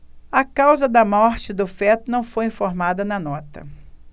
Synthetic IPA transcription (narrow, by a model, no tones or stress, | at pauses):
ɐkawzɐd̪ɐmɔɾt͡ʃɪd̪ʊfɛt̪ʊnɐ̃w̃fojĩfoɾmad̪ɐnɐnɔt̪ɐ̰